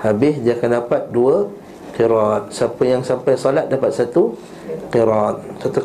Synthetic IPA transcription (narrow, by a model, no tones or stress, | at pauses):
habɪsd͡ʒiakəndapat̪̚duə | qiɾɔt̪̚sapəjaŋsampajsɔlat̪̚dapat̪̚sat̪u | qiɾɔt̪̚sat̪u